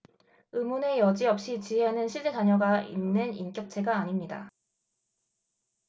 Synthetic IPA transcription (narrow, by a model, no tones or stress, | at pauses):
ɯmune̞jʌd͡ʑiʌp̚ɕ͈it͡ɕiɦenɯnɕʰiɭt͡ɕ͈etaɲʌɡainːɯnink͈jʌk̚t͡ɕʰe̞ɡaːɲimɲida̰